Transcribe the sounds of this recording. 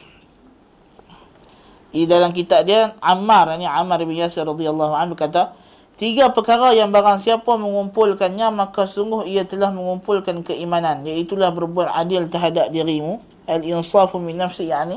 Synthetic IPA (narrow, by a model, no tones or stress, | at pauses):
idalamk̬it̪ap̚diaʔamaɾaniʕamaɾbənjasɪrrːɑd̪ialːɑɦuʕanbərkat̪a | t̪iɡapəkaɾajaŋbaɾaŋsiapaməŋumpʊlkanɲamakasəuŋɡʊhiat̪əlahməŋumpʊlkankəimananjait̪ulahbərbuat̪a̰dɪlt̪əɦadap̚diɾimu | ʔalɪnsɑfmɪnːafsɪjaʔni